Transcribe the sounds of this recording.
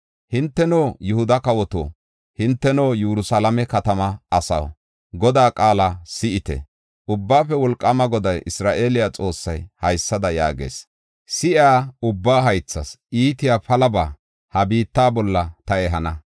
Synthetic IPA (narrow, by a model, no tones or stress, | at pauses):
hɪnt̪ːɛnoːjʊhʊd̪ɐkɐwɔt̪o̰ː | hɪnt̪ːɛnoːjuɾʊsalɐmɛkɐt̪ɐmɐɐsɐ̰w | ɡɔd̪aːkʼaːlɐsɪʔɪt̪ɛ̰ | ʔʊbːaːfɛwɔlkʼːɐmɐɡɔd̪ɐjʔɪsɾaːʔe̞ːlɪjat͡sʼo̞ːsːɐjhɐjsːɐd̪ɐja̰ːɡḛːs | sɪʔaːʊbːaːɦɐjt͡sːɐsʔiːt̪ɪjapɐlɐbaː | hɐbiːt̪ːaːbɔlːɐt̪ɐɛɦɐnɐ